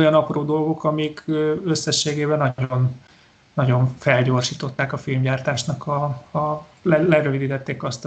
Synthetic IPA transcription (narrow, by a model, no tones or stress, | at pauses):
ojɒnɒproːd̪o̞lɡo̞kɒmikʰøø̞sːɛʃːeːɡeːbɛnɒonː | ɒɟo̞ɱfɛlɟo̞ːrʃiːt̪o̞t̪ːaːkɒfilmɟaːrt̪aːʃnɒkɒː | lɛlɛɾøvid̪iːt̪ɛt̪ːeːkɒst̪